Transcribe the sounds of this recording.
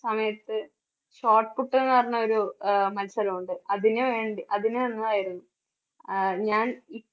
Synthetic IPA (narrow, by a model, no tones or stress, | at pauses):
sɐmɐjɐt̪ːɨ | ɕoːʈkuʈːenːɨʋɐrɐɲːɐo̞ɾumɐlsɐɾɐmuɳɖɨɐðineʋe̞ːɳɖiʔɐðineenːɐaːjiɾunːu | ɲaːni